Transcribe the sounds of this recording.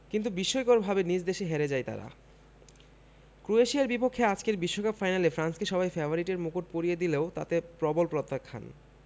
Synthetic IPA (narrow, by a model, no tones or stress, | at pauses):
kint̪̬ubiʃːojkoɾbʱabenid͡ʑd̪eʃeɦeɾed͡ʑajt̪a̰ɾa̰ | kɾueʃiaɾbipokʰːead͡ʑkeɾbiʃːokapfajnalefɾanskeʃɔβajfɛbʱoɾiʈeɾmukuʈ̚poɾijed̪ileot̪a̰t̪epɾɔbolpɾot̪ːakʰːa̰n